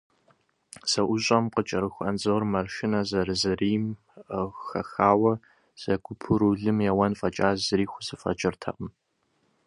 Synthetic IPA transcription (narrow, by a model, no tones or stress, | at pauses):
z̥ɐʔʊɕʼɐmqət͡ʃʼɐɾɨxʷɐnzoːrmɐrʃɪnɐzɐɾɨzɨriːm | xɐxaːwɐ | z̥ɐɡʷʊpʰɨɾuɮɨmjɛwɐnfʼɐt͡ʃʼaːzɨɾiːxʷʊzɨfʼɐ̰t͡ʃʼɪrtʰɐ̰qəm